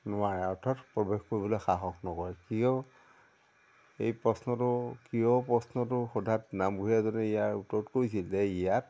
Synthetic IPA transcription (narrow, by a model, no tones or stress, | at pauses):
nʊaɹɛɔɹtʰatpɹɔbexkoɹibɔlɔjxaxɔknɔkɔɹɛkijɔ | ejpɹɔsnɔtʊkijɔpɹɔsnɔtʊxɔdʱatnamɡuɦijazɔnɛijaɹutɔtkoɹisilzɛijat